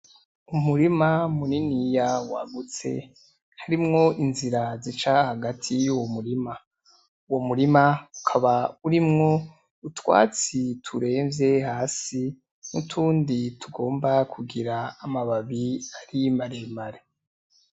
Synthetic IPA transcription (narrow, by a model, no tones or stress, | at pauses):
umuɾimamuninijawaɡut͡se̞̰ | haɾimŋo̞ʔinziɾazit͡ʃahaɡatʰijuwomuɾima | uwo̞muɾimaukʰaβauɾimŋo̞ | utwa̰ːt͡sitʰuɾe̞ːɱvje̞haːsi | mṵtʰuːnditʰuɡo̞ːmbakʰuɡiɾaːmaβaβiaɾimaɾemaɾe